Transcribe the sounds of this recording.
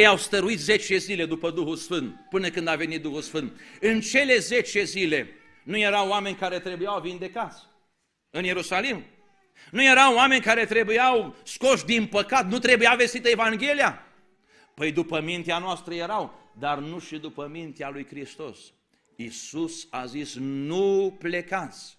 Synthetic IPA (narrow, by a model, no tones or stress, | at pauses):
jawst̪əɾuit̪ze̞t͡ʃe̞zile̞d̪upəd̪uxulsfɨnt̪pɨnəkɨnd̪ave̞nit̪̚d̪uhulsfɨnt̪̚ɨnt͡ʃe̞le̞ze̞t͡ʃe̞zile̞ | nuje̞ɾawame̞nʲkaɾe̞t̪ɾe̞bujawvind̪e̞kat̪sʲ | ɨnje̞ɾusalim | nuje̞ɾawame̞nʲkaɾe̞t̪ɾe̞bujawsko̞ʃd̪inpəkat̪nut̪ɾe̞bujawve̞st̪it̪əevaŋɡʲe̞lija | pəjd̪upəmint̪eanoast̪ɾəje̞ɾaw | d̪arnuʃid̪upəmint̪ealujkɾist̪o̞̰s | isusazisnuple̞kat̪sʲ